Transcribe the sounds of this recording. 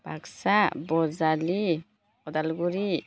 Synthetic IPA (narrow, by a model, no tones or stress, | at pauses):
b̥aksabɔzali | ɔd̪alɡuɾi